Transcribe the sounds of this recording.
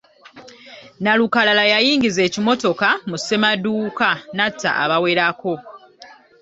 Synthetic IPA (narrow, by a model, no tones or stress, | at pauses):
nalukalalajajiːŋɟize̞ːcimo̞to̞kamuse̞maduːkanatʰːa̰a̰βawe̞ɾako̞